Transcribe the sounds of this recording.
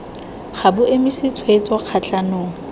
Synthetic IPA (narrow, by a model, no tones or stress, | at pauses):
χabʊʔemɪsɪt͡sʰwet͡sʼɔq͡χʰat͡ɬʼanʊːŋ̩